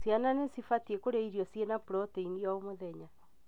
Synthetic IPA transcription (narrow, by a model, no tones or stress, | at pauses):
sjananesifatiekoɾeiɾijɔsjenapuɾɔteindiaomoðɛɲa